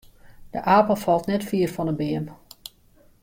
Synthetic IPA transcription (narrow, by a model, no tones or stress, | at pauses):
d̥əʔaːpəlˠfɑlˠtnɛtfiːərfɔnəbɪəm